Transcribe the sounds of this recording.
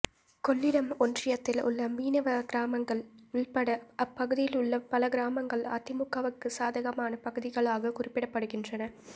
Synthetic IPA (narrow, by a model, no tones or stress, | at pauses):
kɔɭːɪɽɐmɔndrɪjɐt̪ːɪlʊ̰ɭːɐmiːnɐʋɐɡɾaːmɐŋɡɐɭʊɭpɐɽɐɐpːɐɣɯðɪjɪlʊɭːɐpːɐlɐɡɪɾaːmɐŋɡɐɭa̰ːt̪ɪmʊkːɐʋɐkːɯsaːðɐɣɐmaːnɐpɐɣɯðɪɣɐɭaːɣɐkʊrɪpːɪɽɐpːɐɽɯɣɪndrɐnɐ